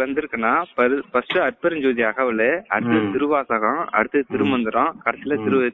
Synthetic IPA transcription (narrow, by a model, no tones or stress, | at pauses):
ʋɐnd̪ɯɾɯkːɐnːaːpɐɾpɐsʈɯɐɾ̚pɐɾɐɲd͡ʒoːðɪaɣɐʋɯleɐɽɯt̪ːɯt̪ɪɾɯʋaːsɐɣɐ̃ɐ̰ɽɯt̪ːɯt̪ɪɾɯmɐnd̪ɯɾɔ̃kɐɾɐsɪlɐt̪ɪɾɯ